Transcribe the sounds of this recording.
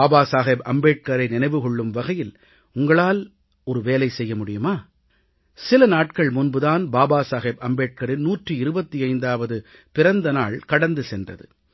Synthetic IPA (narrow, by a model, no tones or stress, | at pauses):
aːbaːsaːɣeːbɐ̰mbeːʈ̚kɐɾɐɪnɪnɐɪʋɯɣɔɭːɯmʋɐɣɐjɪl | ʊŋɡɐɭaːl | ɔɾɯʋeːlɐɪsɛjːɐmʊɽɪjɯmaː | sɪlɐnaːʈ̚kɐɭmʊnbɯðaːnbaːbaːsaːɣeːbɐmbeːʈ̚kɐɾɪnnuːʈrɯɪɾɯbɐt̪ːiɐɪnd̪aːʋɐðɯ | pɪɾɐnd̪ɐnaːɭkɐɽɐnd̪ɯsɛndrɐ̰ðɯ